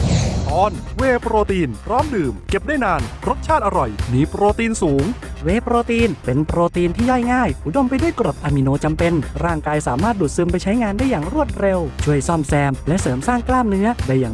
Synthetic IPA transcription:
t̪ɔː˧˥nweː˧pɾoː˧t̪iː˧npʰɾɔː˦˥mdɯː˨˩mke˨˩p̚daː˥˩jnaː˧nɾo˦˥t̪̚t͡ɕʰaː˥˩t̪̚ʔa˧ɾɔ˨˩jmiː˧pɾoː˧t̪iː˧nsuː˨˩˦ŋweː˧pɾoː˧t̪iː˧npe˧npɾoː˧t̪iː˧nt̪ʰiː˥˩jɔ˥˩jŋaː˥˩jʔu˨˩do˧mpa˧jdu˥˩əjkɾo˨˩t̪̚ʔaː˧mi˧noː˧t͡ɕa˧mpe˧nɾaː˥˩ŋkaː˧jsaː˩˦maː˥˩t̪̚du˨˩t̪̚sɯ˧mpa˧jt͡ɕʰa˦˥jŋaː˧ndaː˥˩jːaː˨˩ŋɾu˥˩ət̪̚ɾe˧wt͡ɕʰu˥˩əjsɔ˥˩msɛː˧mlɛ˦˥ʔsɤː˩˦msaː˥˩ŋklaː˥˩mnɯ˦˥ɐda˧˩jːaː˨˩

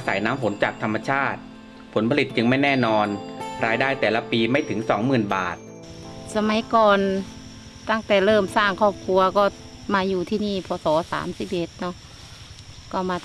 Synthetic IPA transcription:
a˧sa̰˩˦jnaː˦˥mpʰo˩˦nt͡ɕaː˨˩k̚t̪ʰa˧mːa˧t͡ɕʰaː˥˩t̪̚ | pʰo˩˦npʰa˧li˨˩t̪̚t͡ɕɯ˧ŋma˥˩jnɛː˥˩nɔː˧nɾaː˧jdaː˥˩jt̪ɛː˨˩la˧˥piː˧ma˥˩jt̪ʰɯ˩˦ŋsɔː˩˦ŋmɯː˨˩nba̰ː˨˩t̪̚ | sa˧ma˩˦jkɔː˧n | t̪a˥˩ŋt̪ɛː˨˩lɤː˥˩msaː˥˩ŋkʰɔː˥˩p̚kʰu˧ɐkɔː˥˩ | maː˧juː˨˩t̪ʰiː˥˧niː˥˩pʰɔː˧˦sɔː˩˦sa̰ː˨˩˦msi˨˩p̚ʔe˨˩˦t̪̚nɔ˧˥˩ | kɔː˧˥˩maː˧

